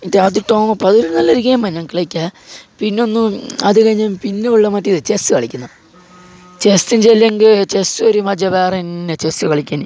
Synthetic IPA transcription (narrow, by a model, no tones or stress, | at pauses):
taːt̪iʈːoːmɐpːɐðoɾunɐlːɐɾukʲːeːmbɐnːɐŋkiɭɐikʲːapinːeonːɨɐðɨkɐɻiɲːɐmpinːeuɭːɐmɐtːiðɨt͡ɕesɨkɐɭikʲːunːɐ | t͡ɕest̪ind͡ʑelːeŋɡit͡ɕesɨoɾumɐd͡ʑɐbeːrɐnːet͡ɕesɨkɐɭikʲːaːni